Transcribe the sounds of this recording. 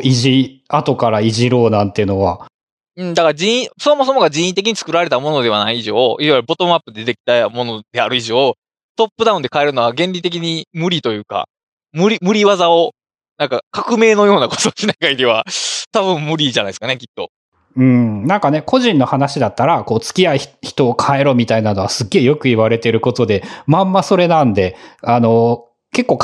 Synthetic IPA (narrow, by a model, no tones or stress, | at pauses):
iʑiat̪o̞kaɾaiʑiɾo̞ːnãnt̪eiɯ̟no̞βa | ɯ̟̃ːd̪akaɾad͡ʑĩĩsoomo̞s̬o̞moɡaʑĩɰ̃ĩt̪e̞k̬ʲiɲ̟it͡sɨ̥kɯ̟ɾaɾe̞t̪amo̞no̞d̪e̞βanaiːʑo̞ːʔiβajɾɯ̟bo̞t̪o̞mapːɯ̟d̪eeekʲi̥t̪amo̞nod̪e̞aɾɯ̟iʑo̞ː | t̪o̞pːɯ̟d̪aɯ̟nd̪e̞kae̞ɾɯ̟no̞ɡaɡẽ̞ɲʲɾʲit̪e̞kʲiɲ̟imɯ̟ɾʲit̪o̞jɯ̟ːka̰ | mɯ̟ɾʲimɯ̟ɾʲiβazao̞ | nãŋkakakɯ̟me̞ːno̞jo̞ːnako̥t̪oɕinaɡaiɾʲiβat̪aβɯ̟̃mmɯ̟ɾʲiʑanaisɨ̥kane̞kʲi̥t̪ːo̞̰ | ɯ̟̃ːɴnãŋkane̞kʰo̞ʑĩnːo̞hanaɕid̪at̪ːaɾako̞ːt͡sɨ̥kʲiaiçi̥t̪o̞ːkʰae̞ɾo̞mʲit̪ainano̞βasɨɡːe̞ːjo̞kɯ̟iβaɾe̞t̪e̞ɾɯ̟ko̞t̪o̞d̪e̞mãmːaso̞ɾe̞nãnd̪e̞ano̞ | ke̞kːo̞ːk